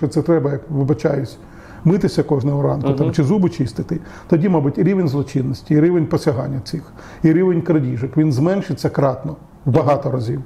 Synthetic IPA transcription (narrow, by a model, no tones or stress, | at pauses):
t͡ʃɔt̪sɛt̪ɾɛbɐjɐkʋɪbɐt͡ʃɑjʊt͡sʲ | mɪt̪ɪsʲɐkɔʒnɛɦɔɾɑnkʊt̪amt͡ʃɪzubʊt͡ʃɪst̪ɪt̪ɪ | t̪ɔdʲimɑbʊtʲiɾʲiʋenʲzlˠɔt͡ʃinːɔsʲtʲiːɾʲiʋenʲpɔsʲɐɦɑ̰nʲːɐsɪx | iɾʲiʋenʲkɾɐdʲiʒɐkʋʲinzmɛnʃɪt͡sʲːɐkɾɑt̪nɔ | wbɐɦɑt̪ɔɾɐzʲiw